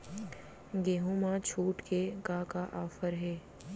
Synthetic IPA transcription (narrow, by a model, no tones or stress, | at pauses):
ɡeːɦũmãt͡ʃʰuːʈkeɡãːkaʔaːfəɾɦɛː